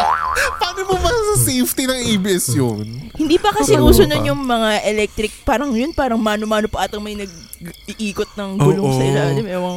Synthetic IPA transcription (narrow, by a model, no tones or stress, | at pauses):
paːnomomɐsɐsejft̪inɐŋejbɪɛsjonhɪnd̪iːpɐkɐsɛɡuːsʊnod̪jʊŋmɐŋaʔɛlɛk̚t̪ɾɪk̚paːɾɐŋjonpaːɾɐŋmaːnomaːnopɐʔaːt̪ɐŋmɐjnɐɡ̚ | ɪʔiːkot̪̚nɐŋɡuloŋsɐʔɪlaːlɪmʔɛːwɐŋ